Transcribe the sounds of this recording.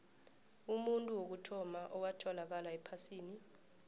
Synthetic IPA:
umuntʼuwok̬utʰɔmaʔɔwatʰɔlak̬alaɛpʰasiːni

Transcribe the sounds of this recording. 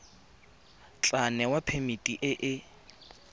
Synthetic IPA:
t͡ɬʼanɛwapʰemitʼiʔɪʔɪ

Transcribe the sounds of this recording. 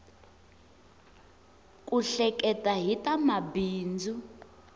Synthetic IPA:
kʼuɬɛkʼɛtʼaɦitʼamabiːnd͡zʱu

